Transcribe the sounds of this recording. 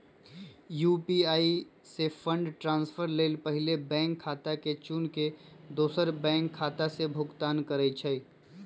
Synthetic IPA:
juːpiaːi | sepʰə̃ɳɖʈɾãːnspʰəɾleːlpəɦɪlebɛ̃ːŋkʰːaːt̪aket͡ʃunked̪oːsəɾbɛ̃ːŋkʰːaːt̪asebʱʊɡt̪aːnkəɾəit͡ʃʰəi

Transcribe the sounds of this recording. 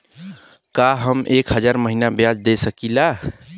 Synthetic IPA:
kaɦəmekɦəd͡ʒaɾməɦinabjad͡ʒd̪esəkila

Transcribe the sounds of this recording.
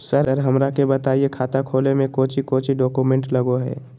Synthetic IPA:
səɾəɾɦəmɾakebət̪aːiekʰaːt̪akʰoːlemẽkoːt͡ʃikoːt͡ʃiɖɔːkumẽɳʈləɡoɦɛ̰ː

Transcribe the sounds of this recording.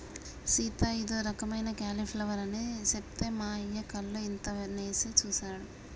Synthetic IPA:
siːt̪ajid̪oːɾɐkɐmɐjnɐkaːlipʰlɐʋɐɾɐnesept̪eːmaːijɐkɐlːoint̪ɐneːset͡ʃuːsaːɽu

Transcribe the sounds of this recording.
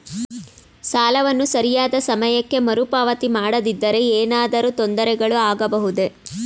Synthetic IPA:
saːlɐʋɐnːusɐɾijaːd̪ɐsɐmɐjɐkːemɐɾupaːʋɐt̪imaːɽɐd̪id̪ːɐɾe̞eːnaːd̪ɐɾut̪ond̪ɐɾɛɡɐɭuaːɡɐbɐɦud̪e̞

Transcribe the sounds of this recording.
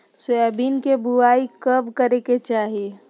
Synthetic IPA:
soɛbinkebuaikəbkəɾeket͡ʃaːɦie

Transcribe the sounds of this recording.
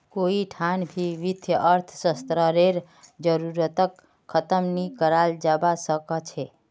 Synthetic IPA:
koiʈʰanbʱiʋit̪ʰjəʔəɾt̪ʰsəst̪ɾəɾeɾ | d͡ʒəɾuɾət̪əkʰː | ət̪əmnikəɾald͡ʒabasəkət͡ʃʰe

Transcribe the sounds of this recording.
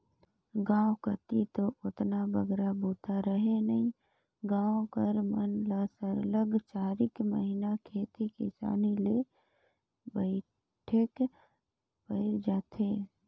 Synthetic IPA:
ɡãːõkət̪it̪oʔʊt̪nabəɡɾabʱuːt̪aɾəɦenəɦĩ | ɡãːõkəɾmənlaːsəɾləɡt͡ʃaːɾɪkməɦinakʰeːt̪ikɪ̰sa̰ːnile | bəɪ | ʈʰek | pəɪd͡ʒaːt̪ʰeː

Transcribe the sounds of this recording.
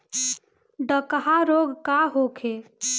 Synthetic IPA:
ɖəkɦaɾoɡkaɦokʰe

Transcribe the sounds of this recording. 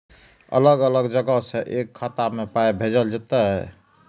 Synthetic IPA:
ə̰ləɡələɡd͡ʒəɡəɦsẽʔekʰːat̪amepaebʱed͡ʒəld͡ʒet̪əɦɛ

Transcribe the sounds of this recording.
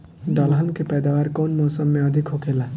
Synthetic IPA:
d̪ʌlɦʌnkepɛjd̪awaɾkɔnmɔːsəmːeʌd̪ʱikɦokela

